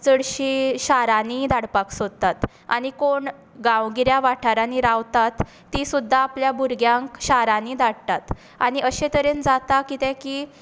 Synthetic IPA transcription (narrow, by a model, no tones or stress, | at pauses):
t͡səɽɕiɕaɾanid̪ʱaɽpaksod̪̚t̪at̪ | a̰ɽ̃ikoɳ | ɡãwɡiɾjaʋaʈʰaɾaniɾawt̪at̪ː | isud̪ʱːaːpljabuɾɡjãŋkɕaɾanid̪aɽt̪at̪ | aɽ̃iʔəɕet̪əɾend͡zat̪akit̪ẽkiː